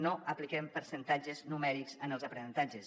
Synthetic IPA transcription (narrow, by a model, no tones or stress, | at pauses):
noʔəplikɛmpəɾsənt̪ad͡ʒəznumɛɾikzənəlˠzəpɾənənt̪ad͡ʒəs